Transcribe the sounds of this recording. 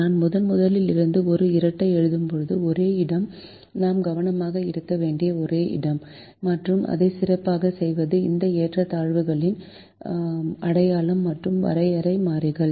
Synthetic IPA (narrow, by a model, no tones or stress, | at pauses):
naːnmʊðɐnmʊðɐlɪlɪɾɯnd̪ɯɔɾɯɪɾɐʈːɐɪɛɻɯðɯmpɔɻɯðɯɔɾeːɪɽɐm | naːmɡɐʋɐnɐmaːɣɐɪɾɯkːɐʋeːɳɖɪjɐɔɾeːʔɪ̰ɽɐmː | ɐʈrɯmʔɐ̰ðɐɪsɪrɐpːaːɣɐsɛjʋɐðɯɪ̰nd̪ɐeːʈrɐt̪aːɻʋɯɣɐɭɪn | ɐɽɐjaːlɐmːɐʈrɯmʋɐ̰ɾɐɪɐɾɐɪmaːɾɪɣɐɭ